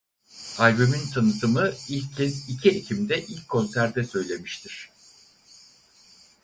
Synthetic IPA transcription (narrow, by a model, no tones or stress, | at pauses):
alʲbymint̪ʰanɯt̪ʰɯmɯilʲcʰːɛzicʰiecʰimd̪ɛʔilʲcʰːo̞nsæɾd̪ɛsø̞jlʲe̞miʃt̪ʰiɾ̥